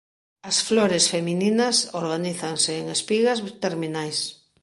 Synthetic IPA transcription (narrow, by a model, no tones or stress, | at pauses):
ɐsfloɾesfemininɐsoɾɣaniθaŋseːŋespiɣazt̪eɾminajs